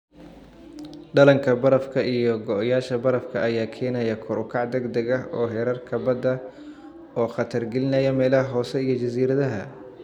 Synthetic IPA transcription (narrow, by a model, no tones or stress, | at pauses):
ɖɐlɐŋkʰɐbɐɾɐfkʰɐʔijɔɡɔʔjaːʃɐbɐɾɐfkʰɐʔɐjaːkʰɛːnɐjɐkʰʊɾʊkʰɑʕd̪ɛɡd̪ɐɣɐɦɔːɦɛːɾɐrkʰɐbɐd̪ɐ | ɔːχɑt̪ʰɐrɡɛlɪnɐjɐmɛːlɐhɦɔːsɛijɞt͡ʃɐsiːɾɐðɐɦɐ